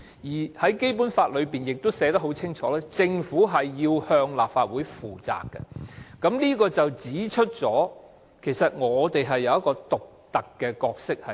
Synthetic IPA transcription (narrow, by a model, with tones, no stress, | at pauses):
jiː˨˩hɐ˨˥jke˥jp̬u˨˥nfaː˧t̚lɵ˨˧ɥpiː˨njɪ˨k̚t̪o˥wsɛː˨˥t̪ɐ˥hɦo˨˥wt͡sʰɪ˥ŋt͡ʃʰɔː˨˥lɛː˥t͡sɪ˧ŋfuː˨˥ɦɐ˨jːiː˧whœː˧ŋlaː˨p̚faː˧t̚wuː˨˥jfuː˨˩t͡sa̰ː˨˧kːɐ̰˧kɐ˨˥mniː˥kɔː˧t͡sɐ˨wt͡siː˨˥t͡ʃʰɵ˥t̚t͡sɔː˨˥ | kʰe˨˩jsɐ˨t̚ŋɔː˨˧t̪e˨jɦɐ˨jːɐ˨˧wjɐ˥t̚kːɔː˧t̪ʊ˨k̚t̪ɐ˨kːɛ˧kɔː˧k̚sɪ˥k̚hɐ˨